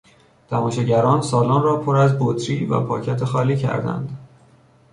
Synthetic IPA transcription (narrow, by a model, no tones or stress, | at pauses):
t̪ʰæmɒːʃeɟæɾɒːnsɒːlɒːnrɒːpʰoɾæzbot̪ʰɾiːvæ̰pʰɒ̰ːcʰæt̪ʰexɒːliːcʰæ̰ɾd̪æ̰nd̪